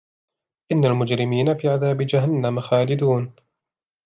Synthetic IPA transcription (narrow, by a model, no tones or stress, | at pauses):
ʔɪnːalmʊd͡ʒɾɪmiːnafiːʕaðaːbɪd͡ʒaɦanːamaxaːlɪd̪uːn